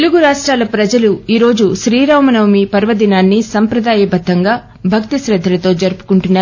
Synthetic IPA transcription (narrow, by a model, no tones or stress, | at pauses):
eluɡuɾaːʂʈɾaːlɐpɾɐd͡ʒɐluiːɾo̞ːd͡ʒuʃɾiːɾawmɐnɐʋɐmipɐɾʋɐd̪inaːnːisɐmpɾɐd̪aːjɐbɐd̪ʱːɐŋɡaː | bʱɐkt̪isɾɐd̪ʱːɐlɐt̪o̞ːd͡ʒɐɾpu̥kuɳʈunːaː